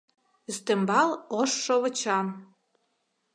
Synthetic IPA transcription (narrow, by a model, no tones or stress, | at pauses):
yst̪ĕmbɑloʃːoβɤ̆t͡ɕɑm